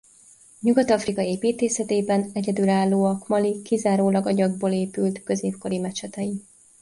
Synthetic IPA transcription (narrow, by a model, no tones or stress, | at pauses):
ɲuɡɒt̪ɒfrikɒeːpiːt̪eːsɛt̪eːbɛnɛɟɛd̪ylaːlːoːɒkmɒlikizaːɾoːlɒɡɒɟɒɡ̚boːleːpylt̪kø̞zeːpko̞ɾimɛt͡ʃɛt̪ɛi